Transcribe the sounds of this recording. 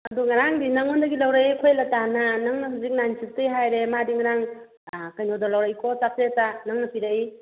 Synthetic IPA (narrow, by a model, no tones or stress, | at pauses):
ɐduŋɐɾaŋdinaŋondɐɡilawɾaikʰojlɐtananɐŋnɐɦuzik̚nansik̚tɐjɦajɾemadiŋɐɾaŋ | kajnodalawɾaikʰosap̚ʰetanɐŋnɐpʰiɾai